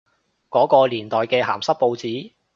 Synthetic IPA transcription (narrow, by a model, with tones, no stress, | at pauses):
kɔː˨˥kɔː˧liː˨˩nt̪ɔː˨jkɛː˧ɦa̰ː˨˩msɐ˥k̚po˧wt͡siː˨˥